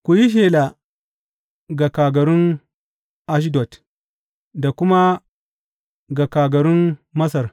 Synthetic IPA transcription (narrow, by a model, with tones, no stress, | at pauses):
kʷu˨ji˦ʃ̬eː˨la˨ | ɡa˨kaː˨ɡɐ˨ɾʊ˦n | ʔa˦ʃ̬i˦dɔ˨t | da˨kʷʊ˦ma˦ | ɡa˨kaː˨ɡɐ˨ɾʊ˦nmɐ˦sɐ˨r